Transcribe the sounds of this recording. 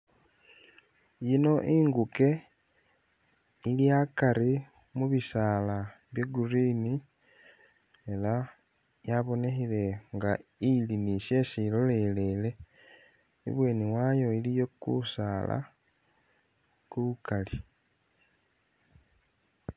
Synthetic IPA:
jino̞ʔiːŋɡuke̞ | ilijakaɾi | muβisaːlaβjeɡurini | e̞la | jaβo̞ne̞xile̞ŋɡailiniʃje̞silo̞le̞le̞le̞ | ḭβwe̞ːniwajo̞ilijo̞kṵsaːla̰ | kuukali

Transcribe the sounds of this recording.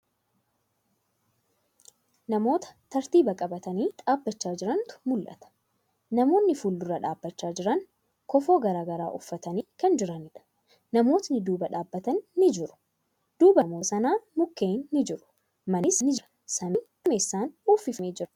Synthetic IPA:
nɐmo̞ːt̪ɐ̥t̪ɐɾt̪iːbɐkʼɐbɐt̪ɐniːᶑaːbːɐt͡ʃːaːd͡ʒɪɾɐnt̪ʊ̥mʊlʔɐ̰t̪ɐ̥ | nɐmo̞ːnːɪfʊlːʊrɐᶑa̰ːbːɐt͡ʃːaːd͡ʒɪɾɐn | kɔfo̞ːɡɐɾaːɡɐɾa̰ːʔʊfːɐt̪ɐniːkɐnd͡ʒɪɾɐnɪᶑɐ̥ | nɐmo̞ːt̪nɪd̪uːbɐᶑaːbːɐt̪ɐnːɪd͡ʒɪɾʊ̥ | d̪̥uːbɐmoːsɐnaːmʊkːeːnːɪd͡ʒɪɾʊ̥ | mɐnɪsnɪd͡ʒ | sɐmɪː | ɐme̞ːsːaːnuːfːɪfneːd͡ʒɪɾ

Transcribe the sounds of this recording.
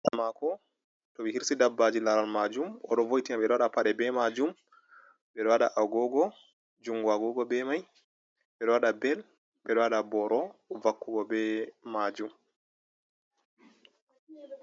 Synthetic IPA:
ʔamakɔ | toɓihiɾsidabːad͡ʒilaɾalmad͡ʒumɔ̰ɗɔvojtiaɓɛɗɔwaɗapaɗɛbɛmad͡ʒum | bɛɗɔwaɗaʔaɡɔɡɔ | d͡ʒuŋɡuaɡɔɡɔbɛmaj | ɓɛɗɔwaɗabɛl | ɓɛɗɔwaɗabɔɾʔɔvakːuɡɔbɛmad͡ʒum

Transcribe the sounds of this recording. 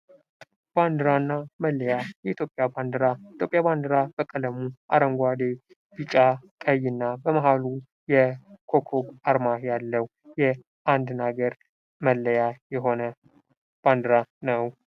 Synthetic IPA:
b̥and̪ɨɾanːaməlːəjajɛʔit̪ʰjo̞pʼːjaband̪ɨɾait̪jopʼjaband̪ɨɾabəkʼələmuʔa̰ɾəmɡʷad̪e | b̥it͡ʃʼakʼəjːɨnːabəmaɦalu | jɛkʰokʰoɡaɾmajalːəw | jɛ | ʔand̪naɡəɾ | məlːəjajɛɦo̞nə | b̥and̪ɨɾanəw

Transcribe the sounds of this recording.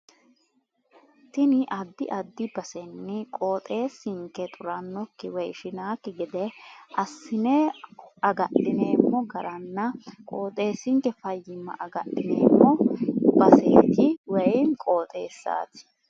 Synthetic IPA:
t̪ɪnɪʔɐd̪ːɪʔɐd̪ːɪbɐsɛnːɪkʼo̞ːt̪ʼe̞ːsɪŋkːɛt̪ʼʊɾɐnːɔkːɪwɛjʃɪnaːkːɪɡɪd̪ɛɐsːɪnɛɐɡɐʔɪne̞ːmːɔɡɐɾɐnːɐkʼoːt̪ʼe̞ːsɪŋkɛfɐjːɪmːɐ̰ʔɐɡɐɗːɪneːmːɔbɐseːt̪ɪwɛjnkʼo̞ːt̪ʼeːsːa̰ːt̪ɪ̥

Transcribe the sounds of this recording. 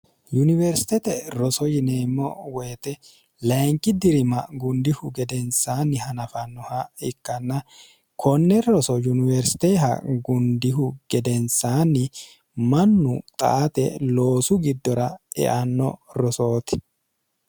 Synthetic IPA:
junɪvɛɾsɪ̥t̪ɛt̪ɛɾɔsɔjɪneːmːɔwɛjt̪ɛ | lɐjŋkʼːɪd̪ɪɾɪmɐɡʊnd̪ɪhʊɡɛd̪ɛnsaːnːɪhɐnɐfɐnːɔhɐɪkːɐnːɐ | kʰɔnːɛɾɔsɔjunɪvɛɾsɪ̥t̪ɛːɦɐ̰ɡʊnd̪ɪɦʊɡ̥ɛd̪ɛnsaːnːɪ | mɐnːʊt̪ʼɐ̰ʔɐt̪ɛlo̞ːsʊɡɪd̪ːɔɾɐɛ̰ʔɐnːɔ̰ɾɔso̞ːt̪ɪ̥

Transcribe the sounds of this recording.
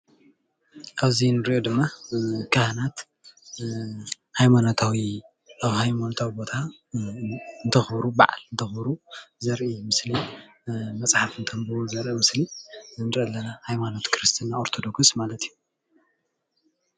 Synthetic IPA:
ʔaβzinɨɾiʔod̪ɨmːakʰahanat̪ | hajmanot̪ʰawi | ʔaβhajmanot̪ʰawibo̞t̪ʰa | ɨnt̪ʰɐxbɾuba̰ʕa̰lɨnt̪ʰɐxbɾuzɐɾʔimɨsli | mɐt͡sʼħafɨnt̪ʰɐmbɨozɐɾʔimɨsliɨnɨɾɐlːɐnahajmano̞t̪kʰɾɨst̪ʰinaoɾt̪ʰo̞d̪o̞ksmalɐt̪iju

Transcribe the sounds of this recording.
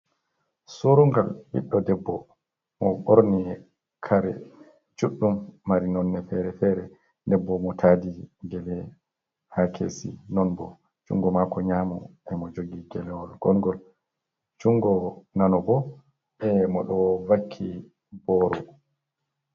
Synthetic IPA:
soɾuŋɡalbḭɗːɔdɛbːɔ | mɔɓoɾni | kʰaɾɛ̰ | t͡ʃuɗːumːaɾinɔnːɛfɛɾɛfɛɾɛ | dɛbːɔmɔtʰadiɡɛlɛ | hakʰḛːsḭnɔnbɔ | t͡ʃṵŋɡɔmakɔɲamɔ̰ʔɛmɔd͡ʒoɡiɡɛlɛwɔlɡ̥ɔnɡɔl | t͡ʃuŋɡɔnanɔbɔ | ɛmɔɗɔvakʰːi | bɔɾɔ

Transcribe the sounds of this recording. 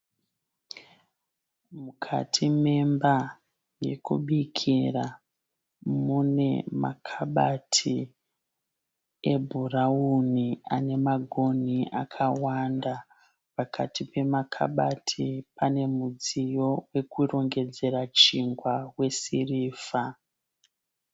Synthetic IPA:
mukʰa̰tʰime̞mba | je̞kṵɓikʰira | mune̞ma̰kʰaɓatʰi | e̞bʱuraunia̰ne̞maɡʱo̞nia̰kʰawanda | pakʰatʰipe̞makʰa̰ɓatʰipane̞mud͡zijo̞we̞kuro̞ŋɡe̞d͡ze̞ɾat͡ʃiŋɡwawe̞siriːfa

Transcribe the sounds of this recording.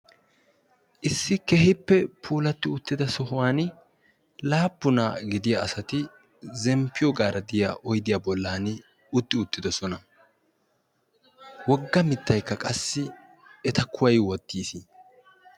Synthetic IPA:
ʔɪsːɪkɛɦɪpːɛpʰuːlɐt̪ːɪʊt̪ːɪd̪ɐsɔhʊwaːn | laːbːʊnaːɡɪd̪ɪjaʔɐsɐt̪ɪ | zɛmpːɪjɔɡaːɾɐd̪ɪja̰ʔɔjd̪ɪjaːbɔlːaːn | ʊt̪ːɪʊt̪ːɪd̪ɐsɔnɐ | wɔɡːɐmɪt̪ːɐjkːɐkʼɐsːɪ | ɛt̪ɐkʰːʊwɐjwɔt̪ːiːsi

